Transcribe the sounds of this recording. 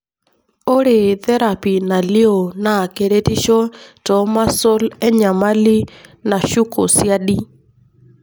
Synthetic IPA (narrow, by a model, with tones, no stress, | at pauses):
o˦ɾe˨t̪ɛ˦ɾa˨pi˨na˨li˦o˨na˨ke˨ɾe˦ti˦ʃɔ˦tɔ˨˦ma˦so˦lɛ˦ɲa˨ma˦li˦na˨ʃu˦ko˨sja˦ɗi˦